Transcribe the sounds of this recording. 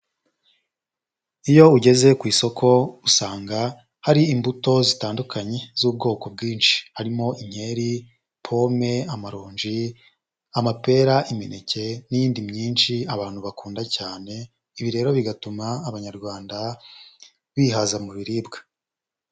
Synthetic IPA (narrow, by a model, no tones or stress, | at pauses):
ijo̞uɟe̞ze̞kwiːso̞kʰo̞usaːŋɡa | haɾiimbuto̞zitaːndukʰaɲe̞z̥uːb̚ɡo̞ːko̞b̚ɡiːnʃi̥haɾimo̞ʔiɲ̥he̞ɾi | pʰo̞me̞amaɾoːɲʒi | amape̞ːɾaʔime̞ne̞ce̞nijiːndimɲiːnʃiaβaːn̥huβakuːndacaːne̞ | iβiɾe̞ːɾo̞βiɡatumaːβaɲaɾɡwaːnda | βiːɦazamuβiɾibɡḁ